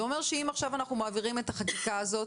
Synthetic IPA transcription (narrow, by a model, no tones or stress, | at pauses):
o̞me̞ʁʃeimaχʃavanaχnumaːviʁime̞t̪aχakikaːzo̞t